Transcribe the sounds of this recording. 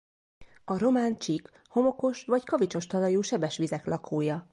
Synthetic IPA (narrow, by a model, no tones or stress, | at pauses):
ɒɾo̞maːnt͡ʃik | ho̞mo̞ko̞ʃʋɒckɒvit͡ʃo̞ʃt̪ɒlɒjuːʃɛbɛʃʋizɛklɒkʰoːjɒ